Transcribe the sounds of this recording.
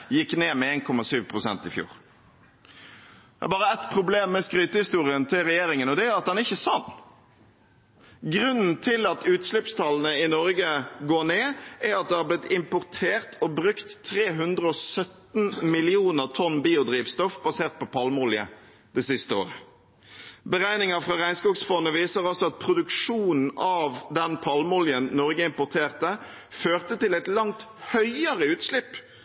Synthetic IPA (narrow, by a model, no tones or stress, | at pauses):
jɪkːneːmɛeːnkʰɔmːɑsyːʋpʰʁʊsɛ̰nt̪ɪfjṵːʁ | æ̰bɑːʁəɛt̪pʰʁʊbleːmːɛskɾyːt̪əhɪst̪uːʁɪənt̪ʰɪlʁɛjeːɾɪŋənɔd̪ɛæɾɑt̪̚d̪ɛnɪçːəsɑnː | ɡʁʉnn̩t̪ʰɪlɑt̪ʉːt̪slɪpst̪ʰɑln̩əɪnɔɾɡəɡoːneːæɾɑt̪̚d̪ɛhɑblɪt̪ɪmpʊʁt̪ʰeːʁt̪ɔbɾʉkt̪ʰːʁeːɦʉnd̪ʁəɔsœt̪n̩mɪlɪuːnəʁt̪ʰɔnːbiːʊd̪ɾiːʋst̪ɔfbɑseːʁt̪̚pɔpʰɑlmʊljə̰ | d̪̥ɛsɪst̪əo̰ːʁə | bəʁæɪnɪŋɑfʁɑʁæɪnskuːksfɔnːəʋiːsəʁɔsɔɑt̪̚pʰɾʊd̪ʉkʂuːnn̩ɑʋd̪ɛnpʰɑlmʊljənːɔʁɡəɪmpʊʁt̪ʰeːʁt̪ə | føːʁt̪ət̪ɪlɛt̪lɑŋt̪hœʏəʁəʉːt̪slɪpː